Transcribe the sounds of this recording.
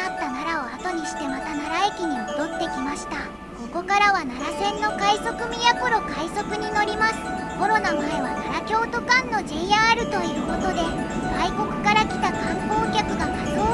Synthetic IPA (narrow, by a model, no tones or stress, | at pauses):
at̪ːanaɾao̞at̪o̞ɲ̟iɕi̥t̪e̞mat̪anaɾae̞kʲiɲ̟imo̞d̪o̞t̪ːe̞kʲimaɕi̥t̪a | so̞ko̞kaɾaβanaɾasẽ̞nːo̞kaiso̞kɯ̟mʲijakoɾo̞kaiso̞kɯ̟ɲ̟ino̞ɾʲimasɨ̥ | ko̞ɾo̞namaeβanaɾakʲo̞ːt̪o̞kãnːo̞ʑeiaɾɯ̟t̪o̞iɯ̟ko̞t̪o̞d̪e̞ | ɡaiko̞kɯ̟̥kaɾakʲi̥t̪akãŋko̞ːkʲakɯ̟ɡakasoː